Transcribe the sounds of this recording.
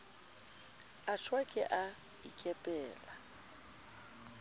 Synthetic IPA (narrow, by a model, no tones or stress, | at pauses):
aʃwakʼɪ̰ʔa | ḭkʼɛpʼɛːla